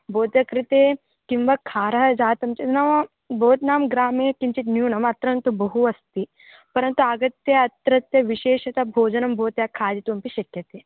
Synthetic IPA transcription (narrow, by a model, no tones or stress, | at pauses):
bʱoːt̪jɐkɾit̪eː | kimʋɐkʰaːɾɐɦɐd͡ʒaːt̪ɐmt͡ʃit̪nɐʋɐ | bʱoːt̪naːmɡɾaːmeːkint͡ʃit̪njuːnɐmɐt̪ɾɐnt̪ubɐɦuɐst̪i | pɐɾɐnt̪uaɡɐt̪jɐɐt̪ɾɐt̪jɐʋiʃeːʃɐt̪ɐbʱoːd͡ʒɐnɐmbʱoːt̪jakʰaːd̪it̪umpiʃɐkjɐt̪eː